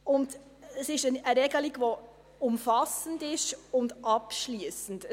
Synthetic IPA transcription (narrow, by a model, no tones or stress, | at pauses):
ʊnd | əsɪʃəəɾɛɡəliɡʋo | ʊmfɑsən̩dɪʃʊndʔɑpʃliəsən̩d